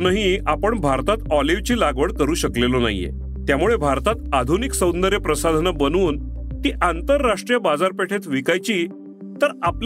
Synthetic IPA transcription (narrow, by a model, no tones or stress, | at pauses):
nəɦiapəɳbʱaɾt̪at̪ɔliʋt͡ɕiːlaɡʋəɽkəɾuːɕəklelona̰jːḛ | t̪jamuɭebʱaɾt̪at̪ad̪ʱuniksə̃wnd̪əɾjəpɾəsad̪ʱnəbənuːnt̪iːʔant̪əɾːaʂʈɾijəbad͡zaɾpeʈʰet̪ʋikajt͡ɕiː | t̪əɾapl